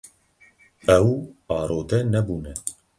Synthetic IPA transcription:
ɛwɑːɾoːd̪ɛnɛbuːnɛ

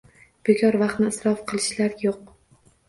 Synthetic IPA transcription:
b̥ekʲʰɒɾvɑχt̪nɪːsɾɒfqʰɨlˠɪʃlaɾjoq̚

